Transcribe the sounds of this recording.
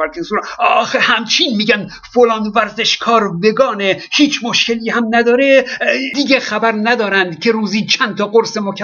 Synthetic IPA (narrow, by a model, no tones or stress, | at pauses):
æɾkʰensuɾːxehæmt͡ʃʰiːnmiːɟæn | folɒːnvæɾze̞ʃkʰɒːɾbeɡɒːnehiːt͡ʃʰmoʃkeliːhæmnæd̪ɒːɾed̪iɡexæbæɾnæd̪ɒːɾænd̪cʲʰe̞ɾuːziːt͡ʃʰænt̪ʰɒːɡoɾsemokʰʲæ